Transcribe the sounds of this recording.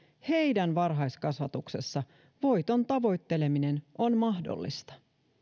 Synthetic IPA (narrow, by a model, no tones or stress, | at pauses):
he̞jdænʋɑrɦɑjskɑsʋɑt̪ukse̞sːɑ | ʋo̞jt̪o̞nt̪ɑʋo̞jt̪ːe̞le̞mine̞no̞nmɑɦdo̰lːḭst̪ɑ̥